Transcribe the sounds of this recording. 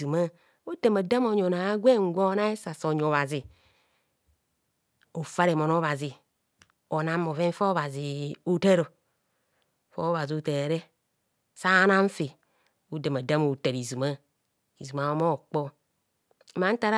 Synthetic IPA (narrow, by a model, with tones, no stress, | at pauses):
u˨ma˦ | o˦de˨ma˨da˦mo˨ɲo˨na˨˦ɡʷe˦ŋ˦ɡʷo˦na˦e˦sa˨so˨ɲ˨o˨βa˨zi˨ | o˨fa˦ɾe˨mo˨no˦βa˨zi˨ | o˨na˦mːo˨ve˦m˦fo˦βa˨zi˨o˦te˦ɾo˨ | fo˦βa˨zi˨o˨te˨ɾe˦ | sa˦na˦ɱ˦fi˨ | o˦de˨ma˨da˦mo˨te˨ɾi˨zu˨ma˦ | i˨zu˨ma˨o˦mo˦˨k͡po˦ | ma˦n̩˦ta˦ɾ